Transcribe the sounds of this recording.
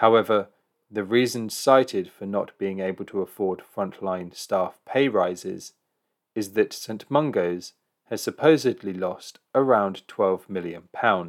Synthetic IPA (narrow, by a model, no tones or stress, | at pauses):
haʊɛvə˞ | ðɨɹizɨ̃nsaɪɾɪd̥fə˞nə̰t̚b̥iɪ̃ŋeɪbəlˠtʰəəfɔɹd̥fɹʌ̃nʔlãɪ̃nstɑfpʰeɪɹaɪzɪ̰z̥ | ɨzðɨtsẽɪ̃nʔmʌ̃ŋɡoʊz̥ | ɨz̥sɨpʰoʊzɨdˡlilɔst | əɹãʊ̃ntʰw̥ɛlˠvmɪlˠjɨ̃npʰãʊ̃n̥